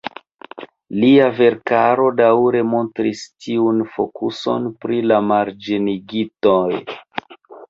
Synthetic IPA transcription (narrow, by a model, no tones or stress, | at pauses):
liave̞ɾkaɾo̞dawɾe̞mo̞ntɾistʰiunfo̞kuso̞̰npɾilamaɾd͡ʒiniɡitoj